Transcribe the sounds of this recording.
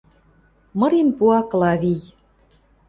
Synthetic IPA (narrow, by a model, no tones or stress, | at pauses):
mɤ̆ɾinpuɑklɑβij